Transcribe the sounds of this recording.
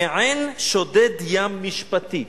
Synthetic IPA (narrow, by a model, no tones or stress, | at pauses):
ʕenʃod̪ed̪jamːiʃpat̪i